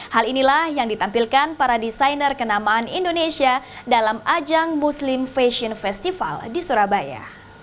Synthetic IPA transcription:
halinilahjaŋdit̪ampilkanpaɾadisajnərkənamaɦanḭndonesiadalamad͡ʒaŋmuslimfeʃiɔnfɛst̪ifa̰ldisuɾabaja̰

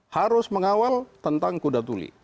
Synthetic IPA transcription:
haɾʊsməŋawalt̪ənt̪aŋkudat̪ulḭ

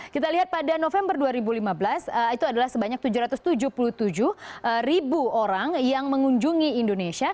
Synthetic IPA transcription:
kit̪aliɦat̪̚padanofɛmbərduaɾibulimablasəit̪uadalahsəbaɲak̚t̪ud͡ʒuɾat̪ʊst̪ud͡ʒuhpuluht̪ud͡ʒuhəribuoɾaŋjaŋməŋuɲd͡ʒuŋiːndonesia

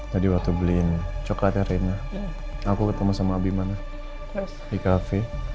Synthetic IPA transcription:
t̪adiwak̚t̪ublint͡ʃokat̪aɾɛna | akukət̪amasamaːbimana | ɛsdikafe

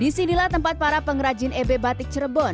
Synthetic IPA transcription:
disinilaht̪əmpat̪̚paɾapəŋɾad͡ʒɪnebebat̪ɪk̚t͡ʃərəbɔn

